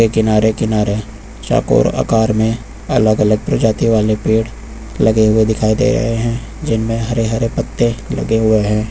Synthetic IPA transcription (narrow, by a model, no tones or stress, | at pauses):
ekɪnaːɾekɪnaːɾe | t͡ʃa̰ːko̰ːɾa̰kaːɾmẽ | ɐ̰ləɡələɡ̚pɾʊd͡ʒaːt̪iʋaːlepiːɽ | lɐɡeɦʊed̪ɪkʰaːid̪ḛɾɐ̰ɦeɦɛ̃ | d͡ʒɪnmẽɦɐɾeɦɐɾepət̪ːẽlɐ̰ɡeɦʊeɦɛ̃ː